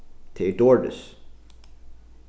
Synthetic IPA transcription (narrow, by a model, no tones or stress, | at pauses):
t̪ʰeːdɔɹdə̰s